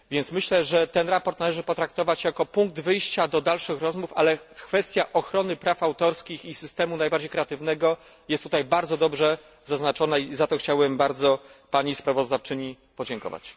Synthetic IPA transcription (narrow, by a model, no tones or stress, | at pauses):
vʲjɛnt̪smɘɕlɛʐɛt̪ɛnɾapɔɾt̪nalɛʐɘpɔt̪ɾak̚t̪ɔvat͡ɕjakɔpuŋk̚d̪vɘjɕt͡ɕad̪ɔd̪alʂɘxɾɔzmufa̰lɛkfɛst̪ʲjaʔɔxɾɔnɘpɾafawt̪ɔɾskʲixisɘst̪ɛmunajbaɾd͡ʑejkɾɛat̪ɘvnɛɡɔ | jɛst̪ːut̪ajbaɾd̪zɔd̪ɔbʐɛ | zaznat͡ʂɔnaizat̪ɔxt͡ɕawɛmbaɾd̪zɔpaɲispɾavɔzd̪aft͡ʂɘɲi | pɔd͡ʑɛŋkɔ̰va̰t͡ɕ